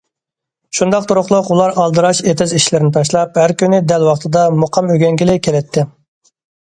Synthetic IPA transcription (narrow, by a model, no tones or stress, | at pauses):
ʃund̪ɑq̚t̪ʰuɾʊχlˠʊqulˠɑɾʔɑlˠd̪ɨɾɑʃet̪ʰɪziʃlɪɾɪnɪt̪ʰɑʃ̬lˠɑp̚hæɾkʲynɪd̪ɛlwɑχt̪ʰɨd̪ɑmoqʰɑmøɡʲɛŋɡʲilɪkʲʰelɛt̪ʰːɪ